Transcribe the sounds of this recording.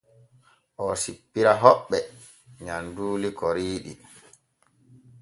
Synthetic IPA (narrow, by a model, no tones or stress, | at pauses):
ʔɔsipːiɾaɦɔɓːɛ | ɲanduːlikɔɾiːɗi